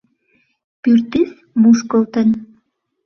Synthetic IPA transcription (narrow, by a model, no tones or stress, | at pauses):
pyrt̪is | muʃkəlt̪ən